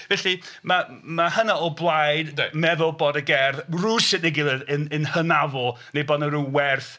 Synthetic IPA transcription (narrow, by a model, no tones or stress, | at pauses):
vɛɬi | ma | mahənaɔblˠajdmɛðʊlˠboːdəɡɛrðruːsɨdneɡɪlˠɛðənənhənavʊlˠ | nejbɔːdnəɾuwɛrθ